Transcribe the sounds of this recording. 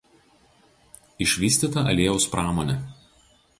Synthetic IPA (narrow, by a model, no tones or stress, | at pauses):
ɪʃʲʋʲiːsʲt̪ʲiːt̪ɐʔɐ̰lʲeːjɛʊspɾɑːmɔːnʲɛ